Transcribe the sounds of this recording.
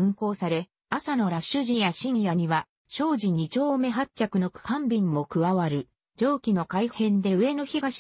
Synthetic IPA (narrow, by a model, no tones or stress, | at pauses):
ɯ̟̃ŋko̞ːsaɾe̞ | asano̞ɾaɕɨʑĩjaɕĩɰjaɲ̟iβa | ɕo̞ːʑiɲ̟it͡ɕo̞ːme̞ɦatt͡ɕakɯ̟no̞kɯ̟̥kãmbʲĩmmo̞kɯ̟βaβaɾɯ̟ | d͡ʑo̞ːkʲino̞kaihẽ̞nd̪e̞ɯ̟e̞no̞çiɡaɕ